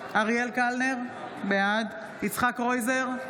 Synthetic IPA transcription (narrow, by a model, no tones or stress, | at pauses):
aʁjelkalneʁ | bead̪ | it͡sχakʁojzeʁ